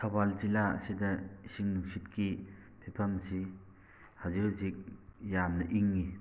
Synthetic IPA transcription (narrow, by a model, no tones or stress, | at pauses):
sɐbalzilaɐ̰sidɐsiŋnuŋsitkʰi | pʰipʰɐmsi | hazikzik̚jamnɐʔiŋːi